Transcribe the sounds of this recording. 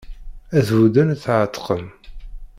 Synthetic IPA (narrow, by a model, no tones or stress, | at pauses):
æðvud̪ənθʕət̪ːqəm